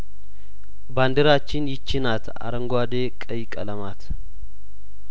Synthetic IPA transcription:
band̪əɾat͡ʃːɪnjɪt͡ʃːɪnat̪ʰa̰ɾəŋɡʷad̪ekʼəjkʼələmat̪ʰ

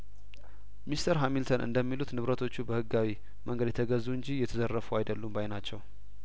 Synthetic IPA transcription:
mist̪ʰəɾɦamilt̪ʰənʔɨ̰nd̪əmːilut̪nɨβɾət̪ʰo̞t͡ʃːubəhɨɡːawi | məŋɡəd̪jɛt̪ʰəɡəzːuɨɲd͡ʒijɛt̪ʰəzərːəfuajd̪əlːumbajnat͡ʃːɛw

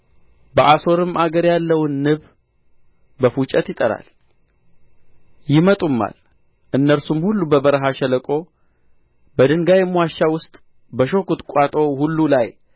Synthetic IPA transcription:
bəʔaso̞ɾɨmaɡəɾjalːəwnːɨβ | bəfut͡ʃʼɛt̪jɪt̪ʼəɾa̰l | jɪmət̪ʼumːa̰l | ʔɨnːəɾsumhulːubəbəɾəɦaʃɛləkʼo̞ | bəd̪ɨŋɡajɛmːwaʃːawʊst̪ʼ | bəʃo̞kut̪ʼkʷʼat̪ʼo̞hulːulaj

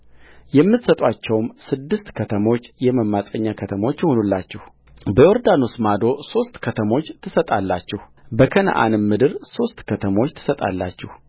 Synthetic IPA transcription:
jɛmːɨt̪sət̪ʼwat͡ʃːɛwmsɨd̪ːɨst̪kʰət̪ʰəmo̞t͡ʃːjɛməmːasʼəɲːakʰət̪ʰəmo̞t͡ʃːjhonulːat͡ʃːɛh | bəjoɾd̪ano̞smad̪o̞so̞st̪kʰət̪ʰəmo̞t͡ʃːt̪ʰɨsət̪ʼalːat͡ʃːɛhu | bəkʰəna̰ʔa̰nmːɨd̪ɨɾso̞st̪kʰət̪ʰəmo̞t͡ʃːt̪ʰɨ̥sət̪ʼa̰lːa̰t͡ʃːɛh

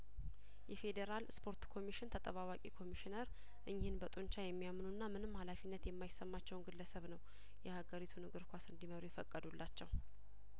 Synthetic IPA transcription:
jɛfe̞d̪eɾalspʰo̞ɾt̪kʰo̞miʃɪnt̪ʰət̪ʼəβawakʼikʰo̞miʃɪnəɾ | ʔɨɲːhɪnbət̪ʼoɲt͡ʃajɛmːijamːnunːamɨnɨmːhalafinːət̪jɛmːajɪsəmːat͡ʃːɛwnɡɨlːəsəβnəw | jɛhaɡəɾit̪ʰunɨɡɨɾkʷasɨnd̪iməɾujɛfəkʼːəd̪ulːat͡ʃːɛw

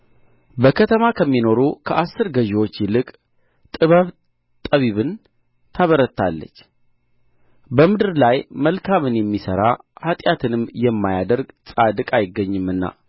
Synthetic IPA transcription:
bəkʰət̪ʰəmakʰəmːino̞ɾukʰəʔasːɨɾɡəʒewo̞t͡ʃːjɪlɨkʼ | t̪ʼɨβəβ | t̪ʼəβiβɨn | t̪ʰaβəɾət̪ʰːa̰lːə̰t͡ʃː | bəmɨd̪ɨɾlajməlkʰamɨnjɛmːisə̰ɾahat̪ʼjat̪ʰɨnɨmjɛmːajad̪əɾɡsʼad̪ɨkʼajɪɡːəɲːɨmɨnːa̰

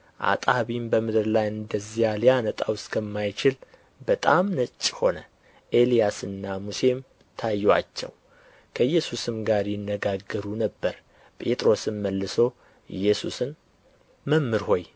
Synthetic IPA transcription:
ʔa̰t̪ʼaβimbəmɨd̪ɨɾlajɨnd̪əzijalijanət̪ʼawskʰəmːajt͡ʃɪl | bət̪ʼamnət͡ʃʼːho̞nə | ʔe̞lijasɨnːamuse̞m | t̪ʰajːwa̰t͡ʃːɛ̰w | kʰəjːɛsusɨmɡaɾjɪnːəɡaɡːəɾunəbːəɾ | pʼe̞t̪ʼɾo̞sɨnməlːɨso̞ | ɨjːɛsusɨn | məmːɨɾho̞j

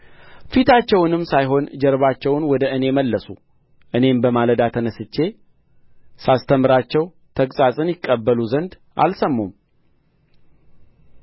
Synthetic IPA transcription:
fit̪ʰat͡ʃːɛwnɨmsajɦo̞nd͡ʒɛɾβat͡ʃːɛwnwɔd̪əʔɨne̞məlːəsṵ | ʔɨne̞mbəmaləd̪at̪ʰənəsɨt͡ʃːe̞ | sast̪ʰəmɨɾat͡ʃːɛw | t̪ʰəkʼsʼasʼɨnjɪkʼːəbːəluzənd̪ | ʔa̰lsəmːum

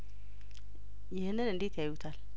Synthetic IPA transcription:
jɪhnːɨnɨnd̪et̪ʰjajwut̪ʰal

